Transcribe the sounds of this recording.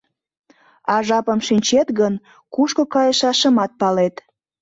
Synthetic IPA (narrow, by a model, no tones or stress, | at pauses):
ɑʒɑpəmʃinʲt͡ɕet̪ɣən | kuʃkokɑjəʃɑʃəmɑt̪̚pɑlet̪